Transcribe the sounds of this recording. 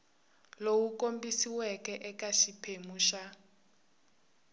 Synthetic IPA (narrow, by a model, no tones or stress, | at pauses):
lowukombisiwɛkʼɛʔɛkʼaʃipʰemuːʃa